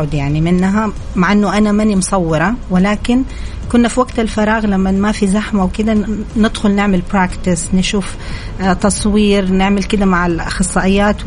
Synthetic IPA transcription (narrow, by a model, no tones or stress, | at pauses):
ʊd̪jaʕnimɪnːɦa | maʕʔɪnːʊʔanamanimʊsˤɑwːɪɾˤɑwɪlaːkɪn | kʊnːafiwaɡt̪alfɑɾˤɑːɣlamːamafizaħmawkɪd̪anɪd̪xʊlnɪʕmalbɾaːkt̪ɪsnɪʃuːf | t̪ɑsˤwiːɾnɪʕmɪlkɪd̪amaʕɪlxɨsˤːɑːʔɪjːaːt̪